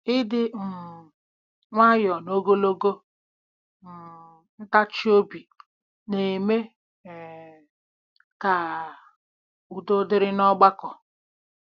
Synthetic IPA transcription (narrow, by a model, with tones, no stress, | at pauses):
ɪ˦dɪ˦m̩˨ | ŋʷa˦jɔ˨no˦ɡo˦lo˦ɡo˦ | m̩˨ | n̩˦ta˦t͡ʃi˦o˦bi˨ | ne˨me˦˨ | ka˨ | u˨do˦dɪ˦ɾɪ˦nɔ˦ɡ͡ba˦kɔ˨